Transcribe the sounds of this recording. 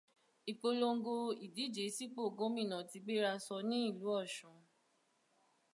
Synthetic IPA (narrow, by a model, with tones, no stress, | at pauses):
i˨k͡po˧lo˧ŋ̩˦ɡo˧i˨di˨˦d͡ʒe˨˦si˦k͡po˦˨ɡo˨˦mĩ˦˨nã˨ti˧ɡ͡be˦ɾa˧sɔ˧nĩ˦i˦˨lu˨˦ɔ˦˨ʃũ˨